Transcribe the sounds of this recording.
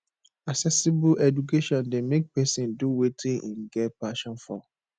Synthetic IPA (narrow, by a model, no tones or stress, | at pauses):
asɛsibuɛd͡ʒukeʃɔ̃ndemek̚pɛsĩnduwetʰĩnʔĩnɡɛpaʃɔ̃nfɔ